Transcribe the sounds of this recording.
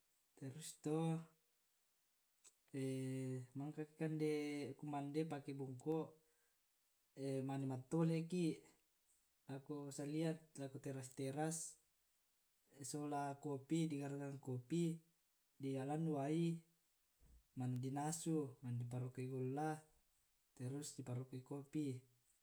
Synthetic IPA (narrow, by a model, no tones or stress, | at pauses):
t̪ɛɾust̪o | emaŋkaki̥kandekumandepakebuŋko | emanimat̪ːoleki | lakosaliat̪lakot̪eɾast̪eɾas | solakopidiɡarɡaŋkopi | dialanːuai | mandinasumandip̬aɾokaiɡolːa | t̪ɛɾusdipaɾokaikopi